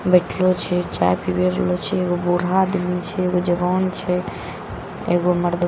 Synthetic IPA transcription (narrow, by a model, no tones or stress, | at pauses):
bɛʈʰlot͡ʃʰɛt͡ʃa̰pibeɾlot͡ʃʰɛeɡobuɾ̤aːd̪mit͡ʃʰɛeɡod͡ʒəbɔnt͡ʃʰɛ | ḛɡoməɾd̪